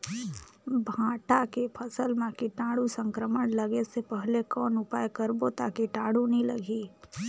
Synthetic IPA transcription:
bʱãːʈakepʰəsəlmãkiʈãːɽusə̃ŋkɾəmənləɡesepəɦlekɔːnʊpaːjkəɾbot̪aːkiʈaːɽunəɦĩlɐ̰ɡiː

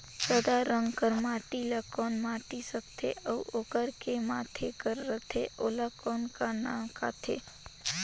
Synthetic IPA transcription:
səd̪aɾəŋɡkəɾmaːʈilakɔːnmaːʈisəkt̪ʰḛʔəuoːkəɾkemat̪ʰekəɾːət̪ʰeʔolakɔːnkanãːmka̰t̪ʰḛ

